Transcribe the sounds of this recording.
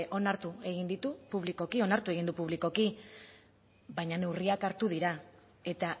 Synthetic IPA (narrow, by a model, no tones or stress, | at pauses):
ʔo̞naɾt̪ue̞ɣind̪it̪upuβ̞liko̞kio̞naɾt̪ue̞ɣ̞ind̪upuβ̞liko̞ki | βajɲane̞wriakaɾt̪uðiɾa | e̞t̪a